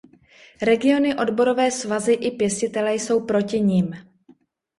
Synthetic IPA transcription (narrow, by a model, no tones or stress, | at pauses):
ɾɛɡɪo̞nɪʔo̞dbo̞ɾo̞vɛːsvazɪʔɪpjɛscɪt̪ɛlɛjso̞wpɾo̞cɪɲɪːm